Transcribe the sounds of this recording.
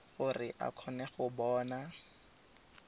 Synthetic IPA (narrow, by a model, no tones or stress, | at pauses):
χʊrɪʔa̰kʰɔnɛχʊbɔːna